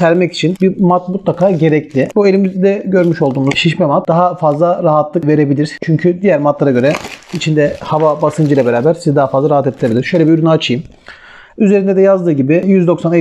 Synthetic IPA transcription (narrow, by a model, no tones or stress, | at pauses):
sæɾmɛci̥t͡ʃʰinbimat̪̚mut̪lˠakʰaːɟe̞ɾɛclʲɪbue̞lʲimizd̪ɛɟø̞ɾmyʃo̞lˠd̪uːmuzʃiʃmɛmat̪̚d̪aɦafazlˠaɾaɦat̪ʰlˠɯkve̞ɾe̞bilʲiɾ̥t͡ʃʰyɲcʰyd̪ijæɾmat̪ʰlˠaɾaɟø̞ɾɛit͡ʃʰind̪ɛhavabasɯnd͡ʒɯjlˠabeɾaːbæɾsizɛd̪aɦafazlˠaɾaɦat̪ʰet̪ʰːiɾebilʲiɾʃø̞jlʲɛbiyɾynaat͡ʃʰɯjɯm | yze̞ɾind̪ɛd̪ɛjazd̪ɯːɟibɪjyzd̪o̞ksane